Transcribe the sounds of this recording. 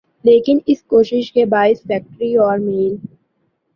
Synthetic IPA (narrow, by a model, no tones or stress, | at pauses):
leːkɪnɪskoːʃɪʃkebaːɪsfɛːk̚ʈɾiɔːɾmeːl